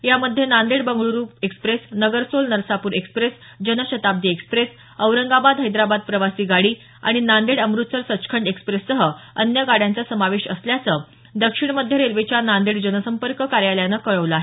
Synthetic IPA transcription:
jaməd̪ʱjenand̪eɽbəŋɡɭuɾuːpekspɾesnəɡəɾsolnəɾsapuːɾekspɾes | d͡ʑənəɕət̪ab̚d̪iːekspɾes | əʋɾəŋɡabad̪ɦəjd̪ɾabad̪̚pɾəʋasiːɡaɽiː | a̰ɽ̃inand̪eɽəmɾut̪səɾsət͡skʰəɳɖekspɾesːəɦəənjəɡaɽjãnt͡sasəmaʋeɕəsljat͡səː | d̪əkʂiɳməd̪ʱːjeɾelʋet͡ɕjanand̪eɽd͡ʑənəsəmpəɾkəkaɾjaljanəkəɭəʋləaɦe

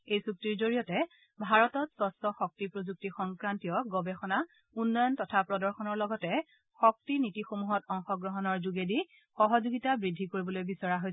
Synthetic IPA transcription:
ejsuk̚tiɹzoɹiɔtɛ | bʱaɹɔtɔtsɔsɔxɔk̚tipɹozuk̚tixɔŋkɹantijɔɡɔbɛxɔna | unːɔjɔntɔtʰapɹɔdɔɹxɔnɔɹlɔɡɔtɛ | xɔk̚tinitixomuɦɔtɔŋxɔɡɹɔɦɔnɔɹzuɡedi | xɔɦɔzuɡitabɹidʱːikoɹibɔlojbisɔɹaɦoj

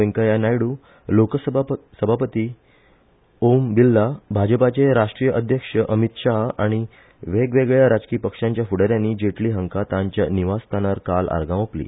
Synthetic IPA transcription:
əŋkajanajɽu | lokəssəbʱapət̪iː | ombilːabʱad͡ʑəpat͡ɕeɾaʂʈɾijəʔəd̪ʱjəkʂəʔəmit̪ʂaɦa̰ɽ̃i | ʋeɡʋeɡɭjaɾad͡zkiːpəkʂãɲt͡ɕjafuɽəɾjãnːiːd͡ʑeʈliːɦə̃ŋkat̪aɲt͡ɕjaniʋast̪ʰanaɾkala̰ɾɡãʋoplḭː

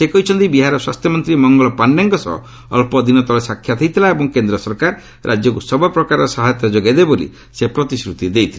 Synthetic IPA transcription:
sekɔɦit͡ʃʰɔnt̪ibiɦaɾɔswa̰st̪ʰjɔmɔnt̪ɾimɔŋɡɔlɔpanɖaŋkɔsɔ̰ɦɔ̰ | ɔ̰lpɔd̪inɔt̪ɔlesakʰːjat̪ʰejt̪ʰilaebɔŋkend̪ɾɔsɔɾkaɾ | ɾʔad͡ʒjɔkusɔbɔpɾɔkaɾɔsaɦat̪jɔd͡ʒɔɡajd̪ebolḭ | sepɾɔt̪isɾut̪id̪ejt̪ʰila

